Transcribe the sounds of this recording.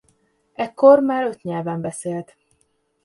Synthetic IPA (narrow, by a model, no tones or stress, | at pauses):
ɛkːo̞rmaːɾøt̪ɲɛlvɛmbɛseːlt̪